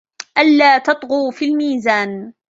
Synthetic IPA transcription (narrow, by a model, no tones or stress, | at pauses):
ʔalːaːt̪ɑt̪ˤɣuːfilmiːzaːn